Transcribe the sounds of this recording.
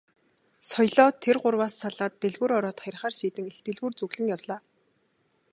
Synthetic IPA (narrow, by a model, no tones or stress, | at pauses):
sɔjɮɔːt̪ʰːerɢʊrwaːsːaɮaːt̪ːeɮɣuːɾɔɾɔːt̪χaɾ̆ʲχaːrʃiːt̪ɘ̆ŋext̪eɮɣuːrt͡sɵɣɮɘ̆ŋjawɮaː